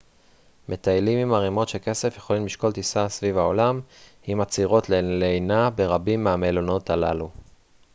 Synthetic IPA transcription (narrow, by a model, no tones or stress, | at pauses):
me̞t̪ajlimimaʁimo̞tʃe̞ke̞se̞fjeχo̞limliʃko̞lt̪isasvivao̞lamhimat͡siʁo̞tlelenabe̞ʁabimːeamelono̞t̪alalu